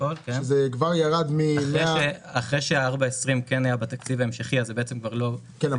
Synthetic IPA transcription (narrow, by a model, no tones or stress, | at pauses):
olkeʃezekvaʁjaʁad̪mimeʃeaχʁejʃeaaʁbaesʁimkenajabat̪akt͡sivaemʃeχiazebeet͡semkvaʁlo̞ | kena